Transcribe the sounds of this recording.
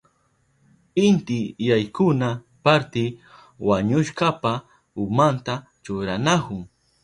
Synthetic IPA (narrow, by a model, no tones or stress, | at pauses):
ɪnt̪ɪjajkʊna | paɾt̪ɪ | waɲʊʃkapa | ʊmant̪a | t͡ʃʊɾanakʊŋ